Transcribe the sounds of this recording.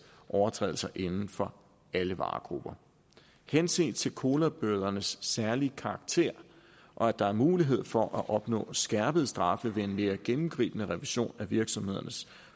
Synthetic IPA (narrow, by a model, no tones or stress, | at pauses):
ʔɒʊɐt͡sʰʁɛ̰ːl̩sɐʔe̝nn̩fɒ̽ | æləʋɑ̰̈ːɡ̥ʁub̥ɐ | hensḭnt͡sʰe̝lkʰo̝ːlæb̥øɐð̞ˠɐnəsːæɐlikʰɑ̈ɑ̈ɡ̥̚t͡sʰe̝̰ɐ̰ | ʔɒ̽æd̥ɑ̈æɐmuːliɦe̝ð̞̰ˠfɒ̽ʔæʔɒ̽b̥nɔ̰̽ːsɡ̥æɐb̥əð̞̩ˠsd̥ʁɑ̈fəʋe̝e̝nme̝ːɐɡ̥enm̩ɡ̥ʁḭːb̥ənəʁɛʋiɕo̝̰ːnæʋiɐɡ̥sɒ̽mhe̝ð̞̰ˠɐnəs